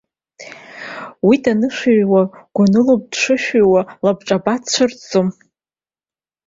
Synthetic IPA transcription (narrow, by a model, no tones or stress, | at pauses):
witʼanɨʂaɥwaɡ̥ʷanɨlob̚dʂɨʃᶣewalabʈ͡ʂʼabatʰt͡ɕʷʰɨrt͡sʼom